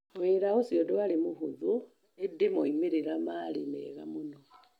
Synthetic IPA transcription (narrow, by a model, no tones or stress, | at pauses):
weɾahosiodualimuhuzu | edimoimiɾiɾamalḭmḛɣa̰muno